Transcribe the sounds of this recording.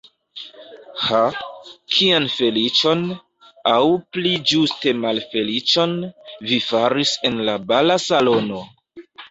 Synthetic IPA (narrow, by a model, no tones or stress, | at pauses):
hakʰianfe̞lit͡ʃo̞n | awplid͡ʒuste̞malfe̞lit͡ʃo̞nvifaɾise̞nlabalasalo̞no̞